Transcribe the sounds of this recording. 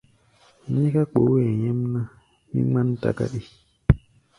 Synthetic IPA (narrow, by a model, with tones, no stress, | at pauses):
ɲi˦ka˦k͡po˨˦e˨ɲe˦mna˦ | ɲḭ˦ŋ͡ma˦n˦ta̰˦˨ka̰˦ɗi˦